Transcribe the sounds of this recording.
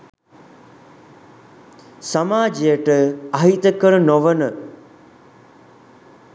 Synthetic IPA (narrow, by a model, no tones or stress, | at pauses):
sɐmaːd͡ʒijəʈəaɦit̪əkəɾənoʋənə